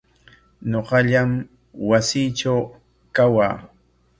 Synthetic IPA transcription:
ɲoqɑʎam | wasiːʈ͡ʂaw | kawaː

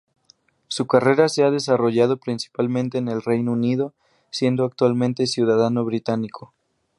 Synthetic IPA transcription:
sukare̞ɾaseað̞e̞saro̞ʝað̞o̞pɾinsi̥palmẽnt̪e̞ːne̞lre̞jnounið̞o̞ | sje̞nd̪oak̚t̪walmẽnt̪e̞sjuðaðano̞βɾit̪anikʰo̞

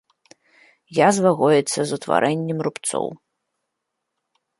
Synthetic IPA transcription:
jazvaɣɔjɛt̪sʲɐzut̪va̰ɾʔɛnʲːɛmrupt̪sɔ̰w

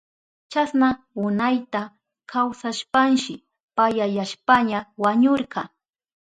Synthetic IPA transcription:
t͡ʃasna | ʊnajt̪a | kʰawsaʃpanʃɪ | pajajaʃpaɲawaɲoɾɢɑ

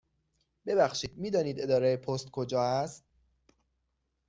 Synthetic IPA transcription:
be̞bæxʃiːd̪miːd̪ɒːniːd̪e̞d̪ɒːɾejepʰost̪kʰod͡ʒɒːæst̪̚

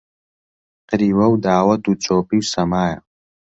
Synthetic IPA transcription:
qəɾiːwɐwd̪aːwɐt̪ut͡sʰʼoːpiwsɐmaːjɐ̰

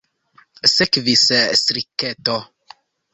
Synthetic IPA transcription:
sekvissɾiketo

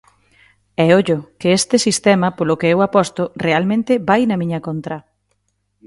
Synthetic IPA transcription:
ɛoʎʊkɪest̪ɪsist̪ɛmɐpolʊkeewapɔst̪ʊrealmẽnt̪ɪbajnɐmĩɲɐkont̪ɾɐ

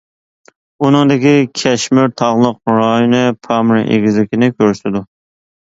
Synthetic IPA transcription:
unɨŋd̪ɪkʲikʲʰɛʃmyɾt̪ʰɑʁlˠəq̚ɾɑjonɨpʰɑmɾɨʔḛɡʲizlɪkʲinɪkʲʰøɾsɪd̪u

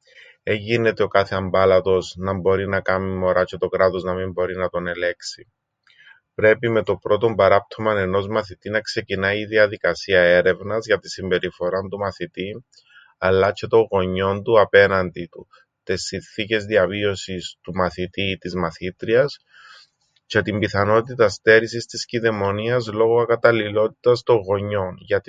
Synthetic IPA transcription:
e̞ʝine̞t̪e̞o̞kɐθe̞ɐmbɐlɐt̪o̞znɐmbo̞ɾinɐkɐmimo̞ɾɐcʰet̪o̞kɾɐt̪o̞znɐmimbo̞ɾinɐt̪o̞ne̞le̞ksi | pɾe̞pime̞t̪o̞bɾo̞t̪o̞mbɐɾɐp̚t̪ʰo̞mɐne̞no̞zmɐθit̪inɐkse̞cinɐiiðiɐðikɐsiɐe̞ɾe̞vnɐzʝɐt̪isimbe̞ɾifo̞ɾɐnt̪umɐθit̪i | ɐlːɐt͡ʃe̞t̪o̞ŋɣo̞ɲo̞nt̪uɐpe̞nɐnd̪it̪u | t̪esːinθice̞zðiɐvio̞sist̪umɐθit̪it̪izmɐθit̪ɾiɐs | ce̞t̪imbiθɐno̞t̪it̪ɐst̪e̞ɾisist̪isciðe̞mo̞niɐzlo̞ɣoɐkɐt̪ɐlilo̞t̪i̥t̪ɐst̪o̞ŋɣo̞ɲːo̞nʝɐt̪i

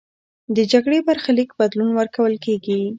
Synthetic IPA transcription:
d̪əd͡ʒaɡɽebaɾxalikbad̪lunwəɾkawəlkeɡi

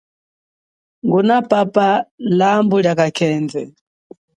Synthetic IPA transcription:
ŋɡunapapalambuljakakʰɛːnd͡zɛ

